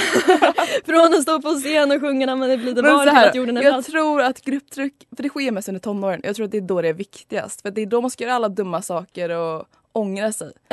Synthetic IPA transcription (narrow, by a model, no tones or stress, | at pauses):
fɾɔnɔs̬t̪oːpɔs̬eːnɔɧɵŋːanamɛnd̪ɛbliːd̪ɛmːɛæːjuːɖənɛjɑːɡt̪ʰɾuːɾat̪ɡɾɵpːt̪ʰɾʏkːfœɖɛɧeːɾmɛst̪ɵnd̪əʈtʰɔnːoːɾənjɑ̰ɡt̪ʰɾuːat̪d̪ɛd̪ɔdɾɛæɾvɪkt̪ɪɡa̰st̪fœɾat̪̚d̪ɛd̪ɔmanskajœːɾaalːad̪ɵmːasɑːkəɾɔ | ɔŋɾasɛ̰j